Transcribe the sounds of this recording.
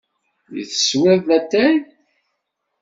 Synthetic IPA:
jḭθə̥swæðæt̪ːæj

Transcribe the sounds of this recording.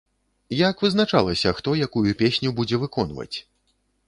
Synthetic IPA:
jakvɨznat͡ʂalˠɐsʲɐxt̪ɔjakujupʲesʲnʲubud͡zʲɛvɨkɔnvɐ̰t͡sʲ

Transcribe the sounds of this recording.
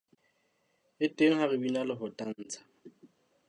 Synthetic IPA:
ɪtʼeŋ̩harɪbinalɪfʊtʼan̩ːt͡sʰʼḁ

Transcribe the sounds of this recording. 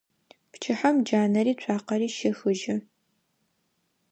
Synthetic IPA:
pt͡ʃʰɪħamd͡ʒaːnɐɾiːt͡ɕʷʰʼaːqɐɾiːʃɪxɨʒɪ

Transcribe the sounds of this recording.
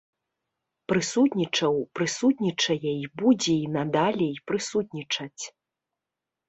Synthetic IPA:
pɾɨsut̪ʲnʲit͡ʂɐwpɾɨsut̪nʲit͡ʂɐjɛibud͡zʲɛinɐd̪alʲɛjpɾɨsut̪ʲnʲit͡ʂɐt͡sʲ

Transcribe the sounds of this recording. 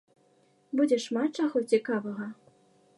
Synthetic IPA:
bud͡zʲɛʂmat̪̚t͡ʂaɣut͡sʲikavɐɣɐ

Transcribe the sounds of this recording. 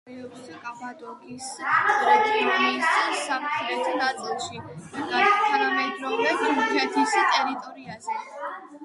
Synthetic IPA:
iɔbskʼabad̪ɔkʼisat̪ʰʼɔɾiːsssamt̪ʰɾɛt̪ʰanat̪sʼilˠʃiiɡaɾt̪ʰanamɛd̪ɾɔvɾɛpukʰɛt̪ʰist̪ʼɛɾit̪ʼɔɾiazɛ

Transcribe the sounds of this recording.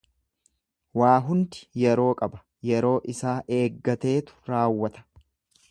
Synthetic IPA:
waːɦʊnd̪ɪ̥jɛɾo̞ːkʼɐbɐ̥ | jɛɾo̞ːʔɪsaːʔe̞ːɡːɐt̪e̞ːt̪ʊ̥ɾaːwːɐt̪ɐ̥

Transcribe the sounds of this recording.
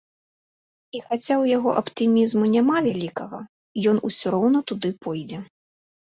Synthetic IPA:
ixat͡sʲawjaɣɔ̰ʔɐpt̪ɨmʲizmunʲamavʲalʲikɐɣɐ | jɔnusʲɔɾɔwn̪ɐt̪ud̪ɨpʰɔjd͡zʲɛ

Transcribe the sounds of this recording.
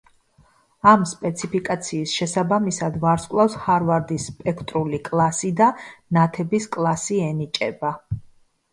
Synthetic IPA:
amspʼɛt̪sʰipʰikʼat̪sʰiːsʃɛsabamisad̪vaɾskʼlˠafshaɾvaɾd̪isːpʼɛkʰt̪ʼɾulikʼlˠasid̪anat̪ʰɛbiskʼlˠasiɛnit͡ʃʼɛba

